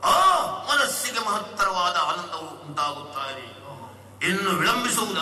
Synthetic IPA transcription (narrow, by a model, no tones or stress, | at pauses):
oːmɐnɐsːiɡemɐɦɐt̪ːɐɾɐʋaːd̪ɐaːnɐnd̪ʱɐuuuɳʈaːɡut̪ːaːɾe | inːuʋiɭɐmbisuʋud̪ɐ